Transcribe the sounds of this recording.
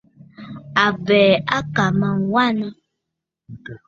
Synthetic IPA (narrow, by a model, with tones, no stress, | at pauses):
a˨vɛ˨a˦ka˨mã˨wa˦nə̃˦